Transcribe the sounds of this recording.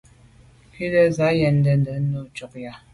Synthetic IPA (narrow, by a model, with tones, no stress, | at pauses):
ki˦lə˦za˨˦jɛ˨n˦də˦˨n˨də˨˦o˦˨t͡ʃɔ˨k̚ja˨